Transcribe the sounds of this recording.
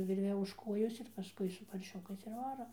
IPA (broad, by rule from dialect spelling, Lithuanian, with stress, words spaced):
ˈʋʲɪrʲʋʲɛ ʊʃ ˈkoːjoːs ɪr pɐˈskʊɪ sʊ pɐrʲˈʃʲʊkɐɪs ɪr ˈʋɑːroː